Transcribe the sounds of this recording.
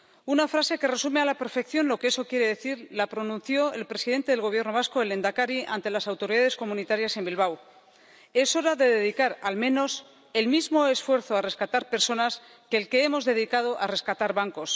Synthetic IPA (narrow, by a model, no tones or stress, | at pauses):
unafɾase̞ke̞re̞sume̞alape̞ɾfe̞kθjo̞nlo̞ke̞eso̞kje̞ɾe̞ðe̞θiɾlapɾo̞nũn̟θjo̞e̞lpɾe̞siðe̞nt̪e̞ð̞elɣ̞o̞β̞je̞ɾno̞β̞asko̞ele̞nd̪akaɾiʔant̪e̞lasawt̪o̞ɾiðaðe̞sko̞mũnit̪aɾjase̞mbilβ̞aw | e̞so̞ɾaðe̞ðeðikaɾalmẽno̞s | e̞lmizmo̞e̞sfwe̞ɾθoare̞skat̪aɾpe̞ɾso̞nas | ke̞ːlke̞emo̞zðe̞ðikað̞o̞ʔare̞skat̪aɾβaŋko̞s